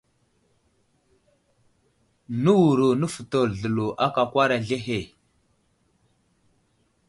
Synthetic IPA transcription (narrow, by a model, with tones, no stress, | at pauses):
nə˦wu˨ɾu˨nə˦fə˨to˨lɮə˨lu˨ʔa˦ka˨kʷa˦ɾa˨ɮe˦ɦe˨